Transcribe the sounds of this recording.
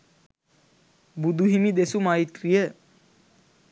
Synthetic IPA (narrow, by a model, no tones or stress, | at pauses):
bud̪uɦimid̪esumait̪rijə